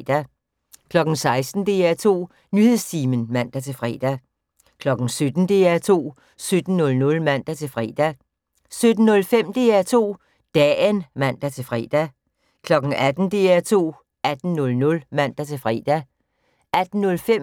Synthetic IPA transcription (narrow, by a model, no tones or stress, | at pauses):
d̥æ | kʰlɒ̽ɡ̥n̩sɑ̈ɪsd̥n̩d̥e̝ːæɐt͡sʰo̝̰ː | nyhe̝ð̰ˠst͡sʰiːmənmæn̰d̥æt͡sʰe̝lfʁɛ̰ːd̥æ | kʰlɒ̽ɡ̥n̩sød̥n̩d̥e̝æɐt͡sʰo̝̰ː | sød̥n̩ːɔ̽lnɔ̽lmæn̰d̥æt͡sʰe̝lfʁɛ̰ːd̥æ | sød̥n̩nɔ̽lfem̰d̥e̝ːæɐt͡sʰo̝̰ː | d̥ɛ̰ːənʋæn̰d̥æt͡sʰe̝fʁɛːd̥æ | kʰlɒ̽ɡ̥n̩æd̥n̩d̥e̝ːæɐt͡sʰo̝̰ː | æd̥n̩nɔ̽lnɔ̽lmæn̰d̥æt͡sʰe̝lfʁɛ̰ːd̥æ | æd̥n̩ːɔ̽lfem